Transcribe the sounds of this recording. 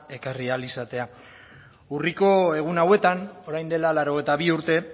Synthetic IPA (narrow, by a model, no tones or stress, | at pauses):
e̞karialisat̪e̞a | uriko̞e̞ɣ̞unawe̞t̪ano̞ɾajnd̪e̞lalaɾo̞ɣ̞ejt̪aβiuɾt̪e̞